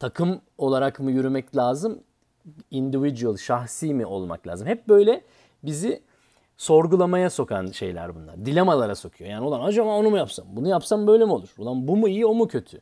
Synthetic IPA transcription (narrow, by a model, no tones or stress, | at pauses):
t̪ʰakʰɯmo̞lˠaɾakmujyɾymɛclʲaːzɯm | ind̪ivid͡ʒyɯlˠʃaxsiːmiʔo̞lˠma̰klʲa̰ːzɯmhɛp̚bø̞jlʲɛ | bizi | so̞ɾɡulˠamajaso̞kʰanʃe̞̰jlʲæ̰ɾbunlˠa̰ɾd̪ilʲamalˠaɾaso̞kʰujo̞jaːniolˠanad͡ʒamao̞numujapsambunujapsambø̞jlʲɛmio̞lˠuɾ̥olˠanbumuijio̞mucʰø̞t̪ʰy